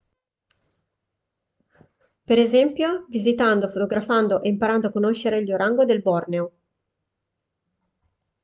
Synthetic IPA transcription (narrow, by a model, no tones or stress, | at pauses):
peɾezɛmpjovizit̪and̪ofot̪oɡɾafand̪oʔeimpaɾand̪oakːonoʃːeɾeʎːoɾaŋɡod̪elbɔrneo